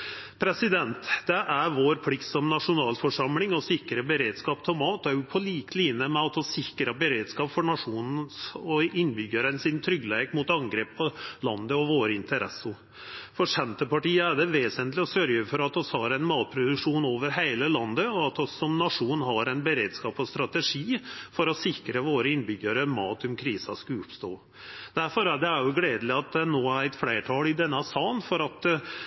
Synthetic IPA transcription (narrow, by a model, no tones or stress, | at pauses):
pʰɾɛsɪd̪ɛnt̪d̪̥ɛʔæɾʋoːɾpʰlɪkt̪sɔmnɑʂʊnɑːlfɔʂɑmlɪŋɔsɪkːɾəbəɾeːd̪skɑːpt̪ʰɛlmɑːt̪ːɛjʊpʰɔliːk̪liːnəmɛɑt̪ɔsɪkɾəbəɾeːd̪skɑːpfɔɳɑʂuːnn̩sɔɪnbʏɡəɾənsɪnt̪ʰɾʏɡːleːkmʊt̪ɑŋɡɾeːppʰːɔlɑ̰nd̪əɔʋoːɾəɪnt̪əɾɛ̰sːʊ | fɔʂɛmt̪əpɑʈiːəæɖɛʋeːsənt̪lɪɔsœɾjəfɔɾɑt̪ɔshɑɾæɪnmɑːt̪̚pʰɾʊd̪ʉkʂuːnoːʋəɾɦeæɪləlɑnd̪əɔɑt̪ɔsːɔmnɑʂuːnn̩ɦɑɾæɪnbəɾeːd̪skɑːpɔst̪ɾɑt̪əʂiːfɔɾɔsɪkɾəʋoːɾəɪnbʏɡəɾəmɑːt̪ʊmkʰɾiːsɑskʉʉpst̪oː | d̪̥æɾfɔɾæɖɛæɾjʊɡleːd̪əlɪɑt̪̚d̪ɛnoːæɾæɪt̪fleːʈʰɑːlɪd̪ɛnːɑsɑːnfɔɾɑt̪